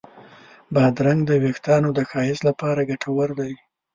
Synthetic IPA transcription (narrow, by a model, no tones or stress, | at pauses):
bɑd̪ɾaŋɡd̪əwekt̪ɑnod̪əxɑjɪzlapɑɾaɡaʈʰawəɾd̪aj